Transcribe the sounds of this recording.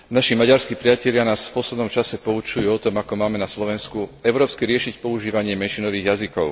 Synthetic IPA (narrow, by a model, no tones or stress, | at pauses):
naʃimaɟaɾskiːpɾɪacɛʎɪanaːsfpɔslɛd̪nɔmt͡ʃasɛpɔut͡ʃujuːɔt̪ɔmakɔmaːmɛnaslɔʋɛnskuɛʊɾɔːpskɛɾɪɛʃicpɔuʒiːʋaɲɪɛmɛnʃinɔʋiːɣjazikɔʊ